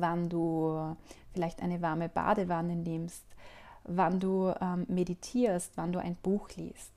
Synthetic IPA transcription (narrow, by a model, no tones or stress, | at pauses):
vanduː | fɪlaɪçtʔaɪnəvaɐməb̥a̰ːdəvanənɪmstvanduːʔɛmːmeditʰiːɐstv̥anduːʔa̰ɪnb̥uːxlḭːst